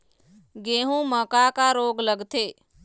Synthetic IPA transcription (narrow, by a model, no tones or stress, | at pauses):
ɡeːɦũːməkakaɾoːɡləɡt̪ʰeː